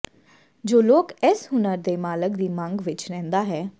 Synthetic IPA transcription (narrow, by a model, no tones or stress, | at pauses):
d͡ʒoːloːkɛːsɦʊnəɾd̪eːmaːləkd̪iːmə̃ŋɡʋɪt͡ʃɾɛ̃ːnd̪aːɦɛː